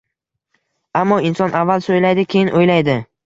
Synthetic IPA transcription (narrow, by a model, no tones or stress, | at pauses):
amːɒɪnsɒnʔavːalˠsojlajd̪ɪkʲʰejɪnʔojlajd̪ɪ